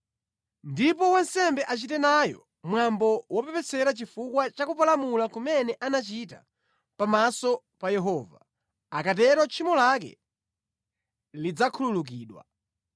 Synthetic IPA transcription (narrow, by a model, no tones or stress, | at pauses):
ndip̬ɔwansɛmbɛʔat͡ʃitɛnajɔ̰ | mwambɔwɔpɛpɛt͡sɛɾat͡ʃifukwat͡ʃakupalamulakumɛnɛʔanat͡ʃita̰ | pamasɔ | pajɛɦɔːva̰ | akat̬ɛɾɔt͡ʃʰimɔlakɛ̰ | lid͡zakʰululuk̬iːɗwa̰